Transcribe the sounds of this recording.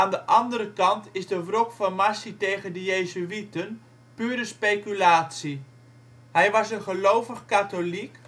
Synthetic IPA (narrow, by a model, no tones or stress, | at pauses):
aːndəʔɑndəɾəkɑntɪzdəʋrɔkfɑnmasitejχəndəjejzyʋitən | pyːɾəspejkylaːtsi | ɦɛjʋɑsənχəlowvəχkatolik